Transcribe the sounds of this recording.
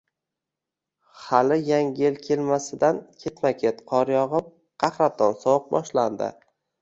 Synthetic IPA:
halɪjaŋelkʲʰe̞lmasɪd̪ankʲʰe̞t̪makʲʰet̪qʰɒɾjɒʁɨm | qʰɑχɾat̪ʰɒnsɒwɨq̚bɒ̰ʃland̪ɪ̰

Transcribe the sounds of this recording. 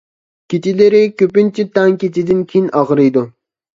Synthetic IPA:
kʲit͡ʃilɪɾɪkʲøpɪnt͡ʃʰit̪ɑŋkʲet͡ʃid̪ɪnkʲʰejinɑʁɾɨjd̪u

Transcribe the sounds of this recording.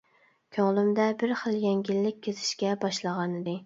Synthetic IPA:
kʲʰøŋlˠymd̪ɛbɪɾχəlˠjɛŋɡʲilːɪk̚ʲʰːezɪ̥ʃkʲɛbɑʃlˠəʁɑnɨd̪ɪ

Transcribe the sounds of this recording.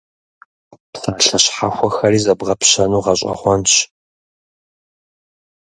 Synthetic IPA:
psaːɬɐɕħaxʷɔxɐriːzɐbʁɐpɕɐnuːʁɐɕʼɐ̰χʷɔnɕ

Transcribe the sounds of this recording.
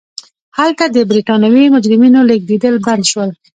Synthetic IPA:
halt̪ad̪əbɾiʈɑnawimʊd͡ʒɾɪminolek̚d̪id̪əlband̪ʃwəl

